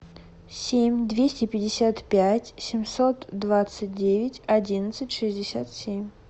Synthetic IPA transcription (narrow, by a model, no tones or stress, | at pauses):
sʲemʲd̪vʲesʲtʲɪpʲɪdʲɪsʲat̪pʲætʲsʲɪmʲso̞t̪d̪vat̪sɨt̚ʲdʲevʲɪtʲɐdʲinət̪sɨtʲʂɨzʲdʲɪsʲat̪sʲemʲ